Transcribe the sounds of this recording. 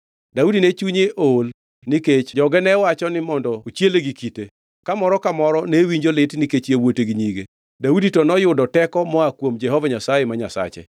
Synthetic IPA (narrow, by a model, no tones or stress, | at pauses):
daudinet͡ʃuɲeʔol | niket͡ʃd͡ʒɔɡɛnɛwat͡ʃɔnɪmɔndɔot͡ʃjeleɡikite | kamɔɾɔkamɔɾɔnewiɲd͡ʒolɪtniket͡ʃjewoteɡiɲiɡe | dauditɔnɔjʊdɔtɛkɔmɔakwomd͡ʒɛɦɔvaɲasajemaɲasa̰t͡ʃḛ